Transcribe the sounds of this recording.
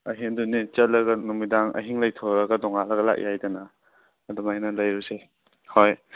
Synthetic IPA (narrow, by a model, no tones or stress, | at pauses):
ɐɦiŋdunit͡ʃɐt̚lɐɡɐnumidaŋʔɐ̰ɦiŋlɐjtʰoɾɐɡɐdɔŋalɐɡɐla̰k̚jajdɐnɐː | dɔmajnɐlɐjɾuse | hoj